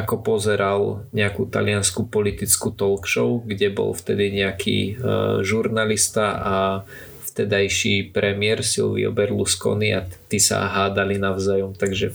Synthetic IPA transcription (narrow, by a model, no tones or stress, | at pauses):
akɔpɔzɛɾalɲɛakut̪a̰lɪanskupɔlit̪it͡skut̪ɔlkʃɔʊɡɟɛbɔ̰lft̪ɛd̪iɲɛakʰḭːʒuɾnalist̪aʔa | ft̪ɛd̪ajʃipɾɛmɪɛɾsḭlʋḭɔ̰bɛɾluskɔ̰niat̪isa̰ɦaːd̪alinaʊzajɔmt̪aɡʒɛ